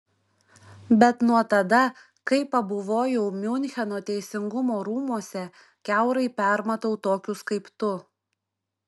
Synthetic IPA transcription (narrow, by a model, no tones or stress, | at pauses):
bʲɛt̪nuɔt̪ɐd̪ɐ | kɐɪpɐbʊʋoːjɛʊmʲʊnʲxʲɛnoːt̪ʲɛɪsʲɪŋɡʊmoːɾuːmuɔsʲɛ | kʲæʊɾɐɪpʲæˑɾmɐt̪oʊt̪oːkʲʊskɐɪpt̪ʊ